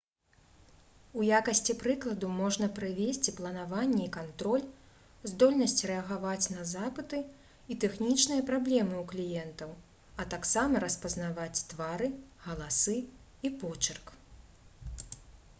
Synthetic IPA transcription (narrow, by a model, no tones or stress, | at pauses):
ujakɐsʲt͡sʲipɾɨklˠɐd̪umɔʐn̪ɐpɾɨvʲesʲt͡sʲiplˠɐnavanʲːɛikant̪ɾɔlʲ | zd̪ɔlʲnɐsʲt͡sʲrɛɐɣavat͡sʲnɐzapɨt̪ɨ | it̪ɛxnʲit͡ʂnɨjɐpɾablʲɛmɨuklʲijɛnt̪ɐw | ɐt̪aksamɐɾɐspɐznavat͡sʲt̪vaɾɨɣɐlˠasɨ | ipɔt͡ʂɐrk